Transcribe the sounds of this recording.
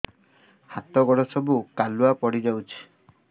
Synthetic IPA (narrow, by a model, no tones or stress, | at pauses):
hat̪ɔɡɔɽɔsɔbukaluapɔɽid͡ʒawt͡ʃʰi̥